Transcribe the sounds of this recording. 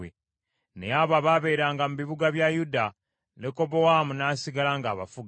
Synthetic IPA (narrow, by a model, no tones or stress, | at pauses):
e | nejaːβaβaβe̞ːɾaːŋɡamuβiβuɡaβjajuda | neko̞bo̞waːmunaːsiɡalaːŋɡaːβa̰fuɡ